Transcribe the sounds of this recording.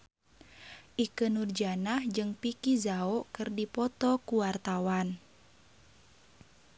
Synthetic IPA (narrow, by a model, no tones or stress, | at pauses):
ʔikənurd͡ʒanahd͡ʒɨŋpikizaɔkɨrdipɔt̪ɔkuwart̪awan